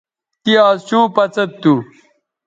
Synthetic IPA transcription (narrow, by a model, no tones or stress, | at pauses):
t̪iaːst͡ɕũːpɐt͡sɐt̪ːu